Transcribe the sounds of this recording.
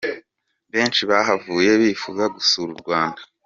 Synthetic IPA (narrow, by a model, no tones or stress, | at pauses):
βe̞ːnt͡ʃiβaːɦavuːje̞βifuɡaɡusuːɾuɾɡwaːndḁ